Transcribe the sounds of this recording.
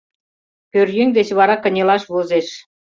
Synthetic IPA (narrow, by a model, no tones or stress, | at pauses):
pørjeŋd̪et͡ɕβɑɾɑkə̆nʲelɑʃβozeʃ